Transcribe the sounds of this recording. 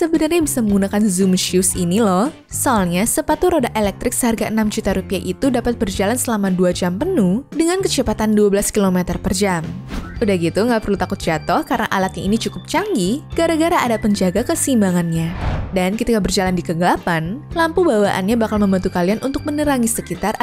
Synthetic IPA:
səbənarɲabisaməŋɡunakanzumʃiusinilɔh | sɔalɲasəpat̪uɾodaʔelɛk̚t̪ɾɪk̚səɦarɡaʔənamd͡ʒut̪aɾupiaʔit̪udapat̪̚bərd͡ʒalansəlamaduad͡ʒampənuhdəŋankət͡ʃəpat̪anduabəlaskilomɛt̪ərpərd͡ʒamʔudahɡit̪uŋɡaʔpərlut̪akʊt̪̚d͡ʒat̪ɔhkarənaʔalak̪ɲainit͡ʃukʊp̚t͡ʃaŋɡiɡ̥aɾaɡaɾaːdaʔpəɲd͡ʒaɡakəsimbaŋanɲadankəit̪ikabərd͡ʒalandikəŋɡəlapanlampubawaʔa̰nɲabakalməmbant̪ukalianʔunt̪ʊk̚mənəɾaŋisəkit̪ar

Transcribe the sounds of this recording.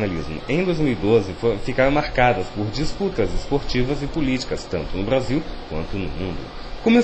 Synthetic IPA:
nalizmʊ̰ẽj̃d̪ojzmiwid̪ozɪfofikaɾɐ̃maɾkad̪ɐspoɾd͡ʒisput̪ɐzɪspoɾt͡ʃivɐzɪpolit͡ʃi̥kɐst̪ɐ̃nt̪ʊnʊbɾaziwkwɐ̃nt̪ʊnʊmũnd̪ʊ̰ | kome

